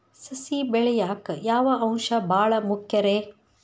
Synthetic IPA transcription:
sɐsibɛɭɛjaːkjaːʋɐʔɐ̃ŋ̃ʃɐbʱaːɭɐmukʰjɐɾeː

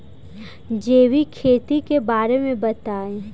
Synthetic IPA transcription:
d͡ʒeːwikʰeːt̪ikebaːɾemẽbət̪aːẽ

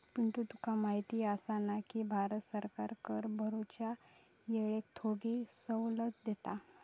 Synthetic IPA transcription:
piɳt̪ut̪ukʰamaɦit̪iːəsanakibʱaɾət̪səɾkaɾkəɾbʱəɾot͡ɕja | jeɭek̚t̪ʰoɽisəwlət̪d̪et̪a

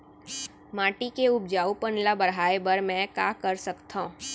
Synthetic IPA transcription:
mãːʈikeʊb̚d͡ʒaːupənlabəɽɦaːebəɾmɛ̃ka̰kəɾsəkt̪ʰã

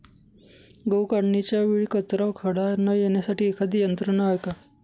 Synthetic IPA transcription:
ɡəwkaɽɳit͡ɕjaʋiːɭkət͡sɾaʋkʰəɽanəjenjasaʈiːekʰad̪ijənt̪ɾəɳəɦajka

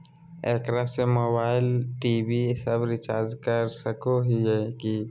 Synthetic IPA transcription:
ḛːkɾasemoːbaːɪlʈiːbisəbɾɪt͡ʃaːɾd͡ʒkəɾsəkoɦiɦɛki

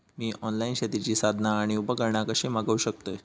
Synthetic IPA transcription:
miːʔɔnlainɕat̪it͡ɕiːsad̪ʱnaːɽ̃iupəkəɾɳakəɕemaɡəuɕək̚t̪ə

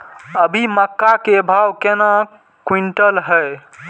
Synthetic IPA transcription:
əbʱiməkːakebʱawkena | kwiɳʈəlɦəj

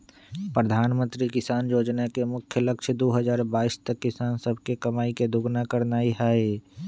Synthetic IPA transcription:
pɾəd̪ʱaːnmə̃nt̪ɾikɪsaːnjoːd͡ʒnakemʊkʰjəlɐkʃʰd̪oːɦəzaːɾbaːiːst̪əkːɪsaːnsəbʱkekɐmaːiked̪ʱʊɡnakəɾnaːiɦaːe

